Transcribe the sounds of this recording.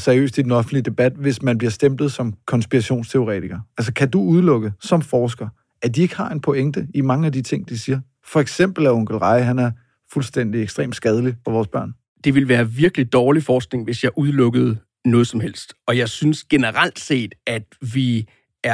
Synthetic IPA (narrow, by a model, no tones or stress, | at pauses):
sæɐiø̰ːsd̥id̥en̩ɒ̽fn̩d̥lid̥e̝b̥æd̥̚ʋe̝smænbliɐsd̥emb̥ð̩ˠsɒ̽mkʰɒ̽nsb̥iʁɑɕo̝̰ːnst͡sʰe̝o̝ʁɛ̰ːt͡sʰiɡ̥ɐælsəkʰæd̥uuð̞ˠlɔ̽ɡ̥əsɒ̽mfɒːsɡ̥ɐ | æd̥ie̝ɡ̥əhɑ̈e̝npʰoeŋd̥əimɑ̈ŋəæd̥it͡sʰe̝ŋ̰d̥isiːɐ | fɒ̽eɡ̥sem̰b̥l̩æɐɔ̽ŋ̰ɡ̥l̩ʁɑ̈ɪɦænæɐ | fulsd̥en̰d̥ieɡ̥sd̥ʁḛːmd̥sɡ̥ɛð̞ˠəlifɒ̽ʋɒːsb̥ɶɐ̰n | d̥e̝ʋe̝lʋæːɐʋiɐɡ̥lid̥ɒːlifɒːsɡ̥ne̝ŋʋe̝sjɑ̈ɪʔuð̞ˠlɔ̽ɡ̥əð̞̩ˠ | nɔ̽ːð̞̩ˠsɒ̽mhel̰sd̥ɒ̽jɑ̈ɪsynsɡ̥e̝nəʁal̰d̥se̝̰ːd̥æd̥ʋi | æɐ